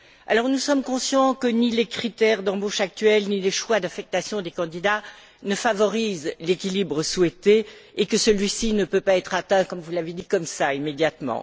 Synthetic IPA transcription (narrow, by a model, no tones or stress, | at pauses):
a̰lɔʁnusɔmkɔ̃sjɑ̃kənilekχit̪ɛʁd̪ɑ̃boʃak̚t̪ɥɛlnileʃwad̪afɛk̚t̪asjɔ̃d̪ekɑ̃d̪id̪a | nəfavɔʁizlekʲilibʁəswɛt̪eekəsəlɥisinəpøpaɛt̪χat̪ɛ̃kɔmvulaved̪ikɔmsaimed̪jat̪mɑ̰̃